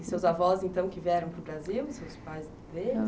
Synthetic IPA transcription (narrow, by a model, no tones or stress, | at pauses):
ɪsewzavɔzẽnt̪ɐ̃w̃kɪviɛɾɐ̃w̃pɾʊbɾaziwsewspajz | d̪e